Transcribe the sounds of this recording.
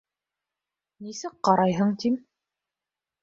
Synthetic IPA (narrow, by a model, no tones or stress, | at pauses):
nisɘk̚qɑɾɑjɦɤɴt̪im